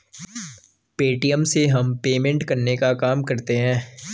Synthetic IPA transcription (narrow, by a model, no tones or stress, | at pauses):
peːʈijəmseɦɐmpeːmɛ̃ɳʈkɐɾnekakaːmkɐɾt̪eɦɛ̃ː